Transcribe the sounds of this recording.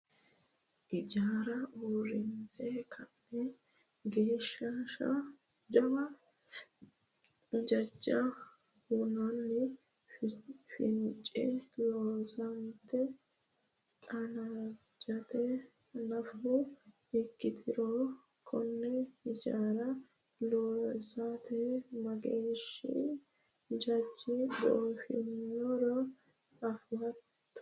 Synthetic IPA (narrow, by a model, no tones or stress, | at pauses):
ʔɪd͡ʒaːɾɐʔoːɾɪnt͡sɛkʰɐnːɛ | ɡeːʃːɐʃɐ̰ | d͡ʒɐbɐ | d͡ʒɐd͡ʒːɐ | hʊnɐnːɪ | fɪnt͡ʃʼːɛloːsɐnt̪ːɛ | ɐna | d͡ʒɐt̪ɛ | nɐfʊ | ɪkːɪt̪ʰɪɾo | kʰɔnːɛhɪd͡ʒaːɾɐ | loːsat̪ʰɛmɐɡeːʃɪ̰ | d͡ʒɐd͡ʒːɪbo̰ʔfɪ̰nːɔɾɔ | ɐfwɐt̪ː